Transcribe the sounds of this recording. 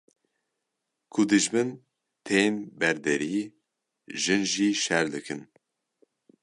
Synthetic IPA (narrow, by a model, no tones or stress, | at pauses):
kʰʊd̪ɨʒbɨn | t̪ʰeːmbɛɾd̪ɛɾiː | ʒɨnʒiːʃɛɾd̪ɨkʰɨn